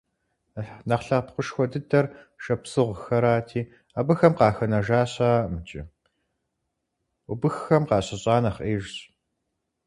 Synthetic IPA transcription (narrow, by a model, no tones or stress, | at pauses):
nɐχɬɐpqʷʊʃxʷɔdɨdɐrʃɐpsɨʁʷxɐɾaːtʰiː | abɨxɐmqɑːxɐnɐʒaːɕaːmɨt͡ʃʼɪ̰ | ʊbɨxːɐmqɑːɕɐɕʼɑːnɐχʔeːʒɕʼ